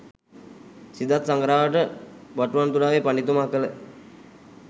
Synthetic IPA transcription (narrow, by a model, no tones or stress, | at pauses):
sid̪at̪saŋɡɾaːʋəʈəbaʈuʋant̪ulaːʋepanit̪umaɦakələ